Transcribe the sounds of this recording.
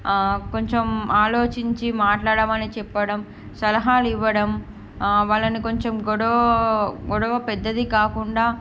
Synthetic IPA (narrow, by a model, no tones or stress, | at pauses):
ko̞ɲt͡ʃemaːlo̞ːt͡ʃiɲt͡ʃimaːʈlaːɽɐːmɐnit͡ʃɛpːɐɽɐm | sɐlɐɦaːliʋːɐɽɐm | ʋaːɭːɐniko̞ɲt͡ʃemɡɔɽɐʋɐɡɔɽɐʋɐpɛd̪ːɐd̪ikaːkuɳɖaː